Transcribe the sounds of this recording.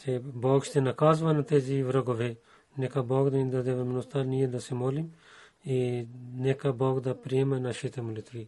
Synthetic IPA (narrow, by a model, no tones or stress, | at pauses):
t̪ʰeboːɡʃt̪enakaːzʋanat̪eːziʋɾoɡoʋe | nekaboːɡd̪anid̪ad̪eʋmnost̪alnijed̪asemoːlim | inekaboːɡd̪apɾiemanaʃit̪emulit̪ʋi